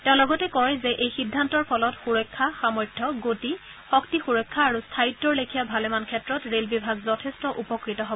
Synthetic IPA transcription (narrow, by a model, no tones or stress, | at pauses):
tɛʊ̃lɔɡɔtɛkɔɹzeʔejxidʱːantɔɹpʰɔlɔtxuɹɔjkʰːaxamɔɹdʰʱjɔɡoti | xɔktixuɹɔkʰːaːɹustʰaitːɔɹlekʰijabʱalemankʰɛtɹɔtɹelbibʱaɡzɔtʰestɔʔupɔkɹitɔɦobɔ